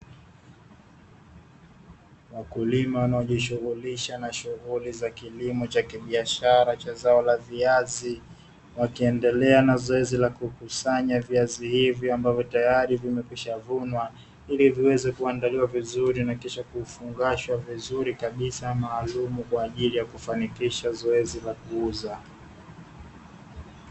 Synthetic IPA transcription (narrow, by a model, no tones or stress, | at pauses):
wakulimawanaɔʄiʃuɣuliʃanaʃuɣulizakilimɔt͡ʃakiɓiaʃaɾat͡ʃazaɔlaviazi | wakiɛndɛlɛanazɔɛzilakukusaɲaviazihivjɔambavjɔtajaɾivimɛkwiʃavunwa | iliviwɛzɛkuandaliwavizuɾinakiʃakufuŋɡaʃwavizuɾikaɓisamaːlumukwaːʄilijakufanikiʃazɔɛzilakuuza